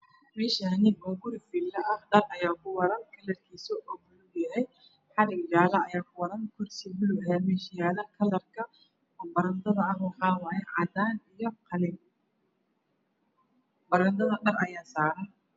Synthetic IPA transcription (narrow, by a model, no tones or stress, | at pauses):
mɛːʃaːnɪɔːɡʊɾɪfiːlːɐʔɐhɖɐrɐjaːkʰʊwɐɾɐnkʰɐlɐrkʰiːsɔʔɔːɡʊlʊbjɐɦɛj | ħɑɾɪɡjaːlɐɐjaːkʰʊwɐɾɐnkʰʊrsɪbʊlʊɦɛmɛːʃjaːlɐkʰɐlɐrkʰɐ | ɔːbɐɾɐnd̪ɐðɐɐhwɑħɑːwɑːjɛʕɑd̪aːnijɔqɑlɪm | bɐɾɐnd̪ɐðɐɗɐrɐjaːsaːɾɐn